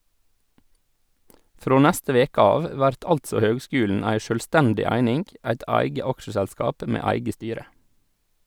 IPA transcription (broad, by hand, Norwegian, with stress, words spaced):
ˈfɾoː ˈnɛstə ˈʋeːkə ˈɑːʋ ˈʋæɾt ˈɑltsɔ ˈhøːɡˌskʉːln̩ ˈæɪ ˈʃøːlˌstɛndɪ ˈæɪnɪŋ ˈæɪt ˈɑɪɡə ˈɑkʃəsɛlˌskɑːp ˈʔmeː ˈæɪɡə ˈstyːɾə